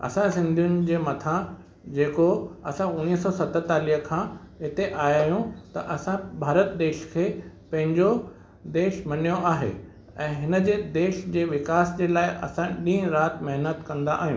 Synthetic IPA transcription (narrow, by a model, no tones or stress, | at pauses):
ɐ̰sãsɪ̃nd̪ʱijʊn̆d͡ʑeːmɐt̪ʰa | d͡ʑeːkoɐsãʊniːsɔːsɐt̪ət̪aːliːɦəkʰãːɦɪt̪eʔaːjaːɦijũt̪ɐʔɐsãbʱaːɾət̪̚d̪eːʃkʰeː | pɐ̃ɦɪ̃ɲd͡ʑo | d̪eːʃmɐnijoʔaːɦḛ | ɛ̃ːɦɪnəd͡ʑeːd̪eːʃd͡ʑeːʋɪkaːsd͡ʑeːlaːɪʔɐ̰sãɗĩːɾaːt̪mɐɦnət̪kɐ̃nd̪aʔːɦiṵ̃ː